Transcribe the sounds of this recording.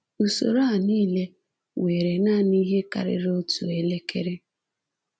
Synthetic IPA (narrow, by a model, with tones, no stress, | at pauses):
u˨so̰˨ɾo˦a˨niː˦le˦ | we˨ɾe˨na˦˨ni˦ɦe˦ka̰˨ɾɪ̰˨ɾo˦tu˨e˦˨le˦kʰe˦ɾe˦